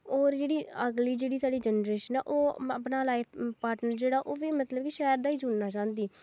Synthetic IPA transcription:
ɔːɾd͡ʒeːɽiːəɡliːd͡ʒeːɽiːsaːɖiːd͡ʒənɾeːʃənɛ̰ːʔoːəpnaːlaːɪppaːɾʈnəɾd͡ʒeːɽaːʔoːʋiːmət̪ləb̚kiʃɛːəɾd̪aːiːd͡ʒʊnnaːt͡ʃãːnd̪iː

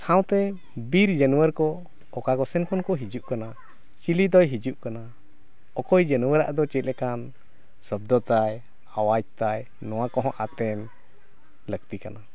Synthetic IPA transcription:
sãw̃t̪ɛ | biɾd͡ʒənuwəɾkɔ | ɔkakɔsɛnkʰɔnkɔɦid͡ʒuʔkana | t͡ʃilid̪ɔjɦid͡ʒuʔkana | ɔkɔjd͡ʒənuwəɾa̰ʔd̪ɔt͡ʃɛt̪̚ˀlɛkan | sɔbd̪ɔt̪aj | awad͡ʒ̚t̪aj | nɔwakɔɦɔ̃ʔat̪ɛn | lək̚t̪ikana

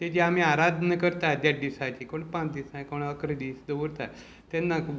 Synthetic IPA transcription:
t̪ed͡ʑeam̤iaɾad̪nəkəɾt̪ad̪jad̪isat͡ɕiːkoɳpãt͡sd̪isãkoɳəkɾəd̪iːsd̪əʋəɾt̪a | t̪ɛnːa

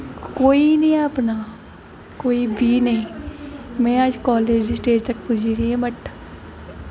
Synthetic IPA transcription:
koːinɐĩɐpna | koːibʱinɐɦĩ | mɛ̃ːaːd͡ʒkɔːleːd͡ʒsʈeːd͡ʒt̪ɐk̚pʊd͡ʒʱiɾiɦɛ̃bɐʈʰ

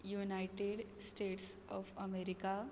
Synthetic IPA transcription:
juːnaɪʈeɖsʈeːʈsɔːfɐmeːɾɪka

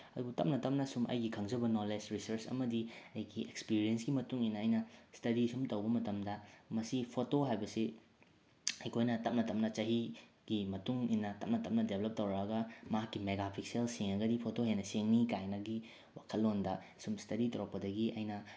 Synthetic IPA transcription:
ɐdubɐtɐp̚nɐtɐp̚nɐsumʔɐ̰jɡikʰɐŋd͡ʒɐbɐnoled͡ʒɾisɐɾsɐ̰mɐdiɐjɡiʔekspiɾiensɡimɐtuŋinːɐːjnɐstɐɾisumtɐwbɐmɐtɐmdɐmɐsipʰotoɦajbɐsi | hɐjkʰojnɐtɐp̚nɐtɐmnɐt͡ʃɐɦi | ɡ̥imɐtuŋinːɐtɐp̚nɐtɐm̚nɐdebʱlɐp̚tɐwɾaɡɐmɐɦakːimeɡapʰikselsiŋɐɡɐdipʰotoɦenɐseŋnikajnɐɡi | wakʰɐlːondɐ | sumstɐɾitɐwɾɐk̚pɐdɐɡiʔɐ̰jnɐ

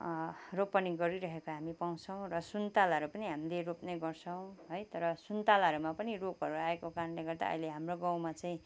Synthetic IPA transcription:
ropːʌniɡʌɾiɾʌɦekaɦamipaw̃t͡sʰʌw̃rʌsunt̪alɦʌɾupʌniɦamileɾopneɡʌrt͡sʰʌw̃ɦojt̪ʌɾʌsunt̪alaʌɾumapʌniropɦʌɾuaekokaɾʌnleɡʌrd̪a̰ʌ̰jleɦamroɡãw̃mat͡saĩ

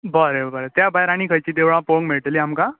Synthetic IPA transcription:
bəɾebəɾet̪jabajɾaɽ̃ikʰəjt͡ɕiːd̪eʋɭãpoŋmiɭʈliamka

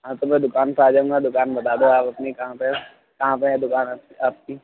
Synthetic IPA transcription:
ɦãt̪omɛ̃d̪ʊkaːnpaːd͡ʒaːũːŋɡad̪ʊkaːnbɐt̪aːd̪oaːpɐpnikɐɦãpe | kɐɦãpeɦɛd̪ʊkaːnaiaːp̚ki

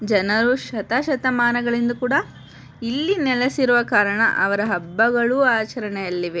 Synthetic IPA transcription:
d͡ʒɐnɐɾuʃɐt̪aːʃɐt̪ɐmaːnɐɡɐɭind̪ɐkuːɽɐ | ilːinɛlɐsiɾuʋɐkaːɾɐɳɐ̰ʔɐʋɐɾɐɦɐbːɐɡɐɭuaːt͡ʃɐɾɐɳɛjɐlːiʋe

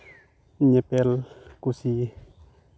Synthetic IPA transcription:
ɲepɛlkusi

